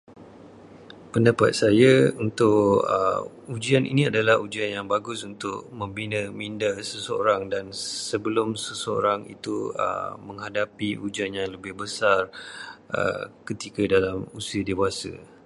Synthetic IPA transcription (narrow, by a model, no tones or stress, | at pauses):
pəndapa̰t̪̚sajaunt̪ʊʔə̰ | ud͡ʒianḭnĩadalahud͡ʒianjaŋbaɡʊsunt̪ʊʔmə̃mbinəmindasəsəo̰ɾaŋdansəbəlʊmsəsəo̰ɾaŋḭt̪uə̰məŋɦadapiʔud͡ʒianjaŋləbɪhbəsarʔə̰kət̪ikədalamusiədewasə̰